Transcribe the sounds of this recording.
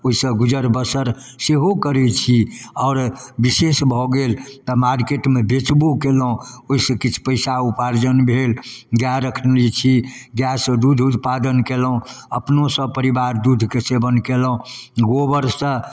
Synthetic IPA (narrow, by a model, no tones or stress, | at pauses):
oisə̃ɡud͡ʒəɾbəsəɾ | seɦokəɾɛt͡ʃʰiɔːɾbisesbʱɔɡelt̪əmaɾkeʈmebet͡ʃbukeləũoɦisə̃kit͡ʃʰpəɪsaupaɾd͡ʒənbʱelɡjaɾəkʰnlit͡ʃʰi | ɡjasd̪ud̪ʱut̪pad̪ənkeləũ | əpnosə̃pəɾibaɾd̪ud̪ʱkesebənkeləɦõɡobəɾsə̃